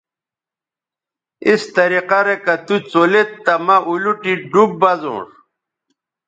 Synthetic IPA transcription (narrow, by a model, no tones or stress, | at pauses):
ist̪ɐɾiqaɾekɐt̪ut͡solet̪ːɐmɐʔuluʈiɖub̚bɐzṵ̃ːʂ